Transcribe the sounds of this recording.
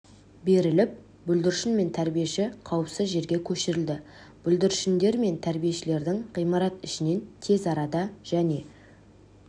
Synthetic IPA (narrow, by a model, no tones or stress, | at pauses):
be̞ɾɪlɪp̚ | bɵld̪ɪɾʃɪnme̞nt̪ʰæɾbijeʃɪqʰɑwəpsɪzʒe̞ɾɡʲe̞kʲʰɵʃɪɾɪld̪ɪ | b̥ʏld̪ɪɾʃɪnd̪e̞ɾme̞nt̪ʰæɾbije̞ʃɪle̞ɾd̪ɪŋʁijmɑɾɑt̪ɪʃɪne̞nt̪ʰe̞zɑɾɑd̪ɑʒ̥æne̞